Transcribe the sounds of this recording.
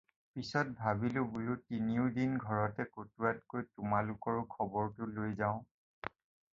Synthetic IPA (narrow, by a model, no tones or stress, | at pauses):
pisɔt̚bʱabilʊbulʊtiniʊdinɡʱɔɹɔtɛkotuɹat̚kojtʊmalʊkɔɹʊkʰɔbɔɹtʊlojzaʊ̃